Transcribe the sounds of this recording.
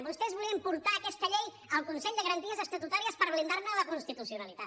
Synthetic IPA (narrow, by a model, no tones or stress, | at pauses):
bust̪ɛzβuliəmpuɾt̪aːkɛst̪əʎej | əlˠkunsɛʎd̪əɣəɾənt̪iəzəst̪ət̪ut̪aɾiəspəɾβlind̪aɾnələkunst̪it̪usiunəlit̪at